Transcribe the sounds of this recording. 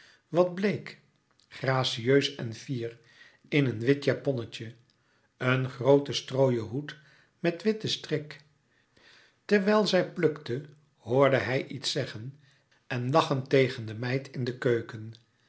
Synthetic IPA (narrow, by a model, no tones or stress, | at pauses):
ʋɑd̚blejk | χraːsiøɥsɛnfiːr | ɪnənʋɪtjapɔnəcə | ənχrowtəstrowjəɦut | mɛtʋɪtəstrɪk | tɛɹʋɛlˠzɛjplɵktə | hʊːɹdəɦɛjʔitsɛχən | ɛnlɑχəntejχəndəmɛjtʰɪndəkøɥkən